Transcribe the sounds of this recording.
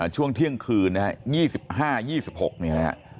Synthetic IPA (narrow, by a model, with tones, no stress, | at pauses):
t͡ɕʰu˥˩əŋt̪ʰi˥˩əŋkʰɯː˧nna˦˥jiː˥˩si˨˩p̚haː˥˩jiː˥˩si˨˩p̚ho˨˩k̚ni˦˥˩ɛ̰˦˥ʔ